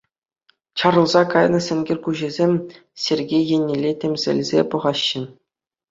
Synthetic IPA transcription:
t͡ɕɑɾɤ̆lˠzɑkɑjnɤ̆sʲɘ̆nʲɡʲĕrʲkuʑĕzʲemʲ | sʲerʲɡʲejjenʲːelʲːetʲemʲzʲɘ̰̆lʲzʲḛpɤ̆ʁɑɕːɘ̆

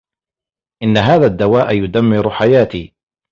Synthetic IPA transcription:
ʔɪnːaɦaːðaːd̪ːawaːʔjʊd̪amːɪɾħajaːt̪iː

